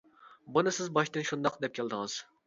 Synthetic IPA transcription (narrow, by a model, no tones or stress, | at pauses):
bunɨsɪzbɑʃt̪ɨnʃund̪ɑqd̪ɛp̚kʲʰɛlˠd̪ɨŋɨz̥